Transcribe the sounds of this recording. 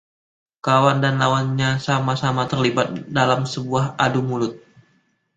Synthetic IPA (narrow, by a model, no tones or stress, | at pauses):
kawandanlawanɲasamasamat̪ərlibat̪̚dalamsəbuahadumulʊt̪̚